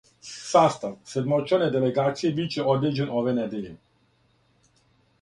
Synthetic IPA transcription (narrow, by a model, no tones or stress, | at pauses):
sast̪aʋsed̪mot͡ʃened̪eleɡaːt̪sijebit͡ɕeʔod̪ed͡ʑenoʋenɛd̪eʎe